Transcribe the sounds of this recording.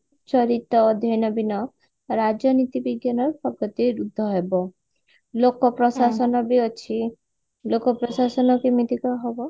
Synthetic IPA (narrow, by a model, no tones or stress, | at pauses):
t͡ʃɔɾit̪ɔːd̪ʱjɔjnɔbinɔ | ɾad͡ʒɔnit̪ibiɡjanɔɾpɔkɔt̪iɾud̪ʱːɔɦebɔ | lokɔpɾɔsasɔnɔbiɔt͡ʃʰi | lokɔpɾɔsasɔnɔkimit̪ikɔɦɔbɔ